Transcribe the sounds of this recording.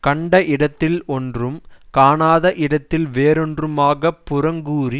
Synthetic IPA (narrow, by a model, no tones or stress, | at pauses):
kɐɳɖɐʔɪɽɐt̪ːɪlɔndrɯmkaːnaːðɐʔɪɽɐt̪ːɪlʋeːɾɔndrɯmaːɣɐpːʊɾɐŋɡuːri